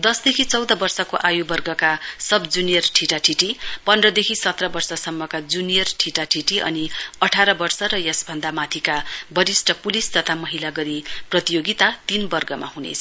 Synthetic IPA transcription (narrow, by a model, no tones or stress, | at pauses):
d̪ʌsd̪ekʰit͡sʌwd̪ʌbʌrsʌkoʔajubʌrɡʌkasʌbd͡zunijʌrʈʰiʈaʈʰiʈipʌndrʌd̪ekʰisʌt̪rʌbʌrsʌsʌmːʌkad͡zunijʌrʈʰiʈaʈʰiʈiʔʌ̰niʌʈʰaɾʌbʌrsʌɾʌjʌsbʱʌnd̪amat̪ʰikabʌɾisʈʰʌpulist̪ʌt̪ʰamʌɦilaɡʌɾiprʌt̪ijoɡit̪at̪inbʌrɡʌma̰ɦunḛt͡sʰʌ̥